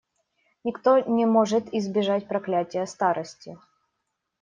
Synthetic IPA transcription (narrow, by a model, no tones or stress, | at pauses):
nʲɪkt̪onʲɪmoʐɨt̪ɪzbʲɪʐatʲpɾɐklʲætʲɪjəst̪aɾʔəsʲtʲɪ